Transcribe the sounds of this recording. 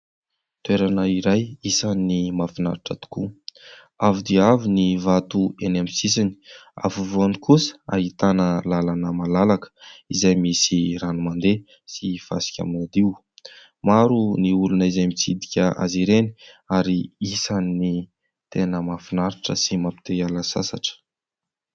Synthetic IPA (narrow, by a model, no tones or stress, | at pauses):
t̪ueɾanəiɾajisanːimafina̰ɾiʈ͡ʂə̰t̪u̥ku | avid̪iavinivat̪uenamisisini̥a̰vuvuanikusə̥a̰ɦit̪anəlalanəmalalakə̥izajmisiɾanumand̪e | sifa̰si̥kʲa̰minad̪iw | maɾuniulunəizajmit͡sid̪ikʲəʔa̰ziɾeni̥aɾiisanini | t̪enəmafinaɾiʈ͡ʂə̰simapi̥t̪ealasa̰saʈ͡ʂə̥